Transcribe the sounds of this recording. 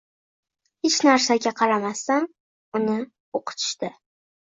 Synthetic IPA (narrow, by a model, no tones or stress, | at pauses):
hɪt͡ʃnaɾsaɡʲaqʰɑɾamasːan | ʊnɪ | oqʰʊ̥t̪ʰɪ̥ʃt̪ɪ